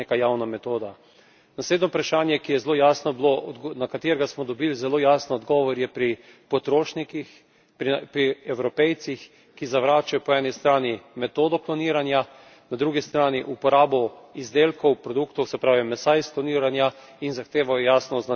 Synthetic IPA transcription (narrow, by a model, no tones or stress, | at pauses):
ekajaːwnamɛt̪oːd̪a | nasleːd̪nɔpɾaʃaːnjɛkijɛzloːjaːsnɔblonakat̪eːɾɡasmɔd̪ɔbiːlzɛloːjaːsnɔɔd̪ɡɔːʋɔɾjɛpɾi | pɔt̪ɾoːʃnikix | pɾiɛwɾɔpɛjt̪six | kizaʋɾaːt͡ʃajɔpɔɛːnist̪ɾaːnimɛt̪oːd̪ɔklɔniːɾanja | nad̪ɾuːɡist̪ɾaːniʔupɔɾaːbɔizd̪eːlkɔwpɾɔd̪ukt̪ɔwsɛpɾaːʋimɛsaisklɔniːɾanja | inzaxt̪eːʋajɔjaːsnɔzna